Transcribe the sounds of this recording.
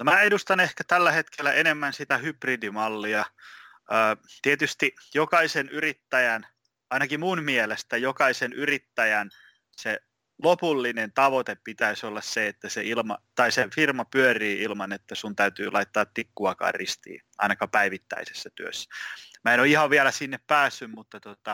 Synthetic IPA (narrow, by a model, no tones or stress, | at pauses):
nomæːedust̪ɑnehkæt̪ælːæhet̪kʰelːæʔenemːænsit̪æhypridimɑlːiɑ | əːt̪iet̪yst̪ijokɑisenyrit̪ːæjæn | ɑinɑkimunmielest̪æjokɑisenyrit̪ːæjæn | se | lopulːinent̪ɑʋot̪eppit̪æisolːɑsseet̪ːæseilmɑ̰t̪ɑisefirmɑpyøriːilmɑnet̪ːæsunt̪æyt̪y̰ːlɑit̪ːɑːt̪t̪ikːuɑkɑ̰ːrrist̪ḭːʔɑ̰inɑkɑpæiʋit̪ːæ̰ise̥sːæt̪yø̰sːæ̥mæenoihɑʋʋiælæsinːeppæːsːymmut̪ːɑt̪ot̪ɑ